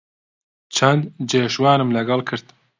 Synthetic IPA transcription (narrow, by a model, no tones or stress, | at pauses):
t͡ʃʰɛnd̪d͡ʒeːʃwaːnɨmlɐɡɑlkʰɨɾt̪